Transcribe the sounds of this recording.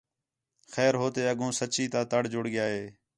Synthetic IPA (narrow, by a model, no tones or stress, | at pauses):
xɛːɾɦoːt̪eːəɠõːsət͡ʃiːt̪aːt̪əɽd͡ʒʊɽɡɪjaːɦeː